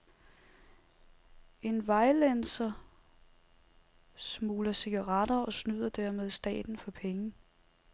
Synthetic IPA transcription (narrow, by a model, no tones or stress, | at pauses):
e̝nʋɑ̈ɪlensɐ | smuːlɐse̝ɡ̥ɐʁɑ̈d̥ɐɒ̽snyð̞̰ˠɐd̥æɐ̰með̞ˠsd̥ɛ̰ːd̥n̩fɒ̽pʰeŋə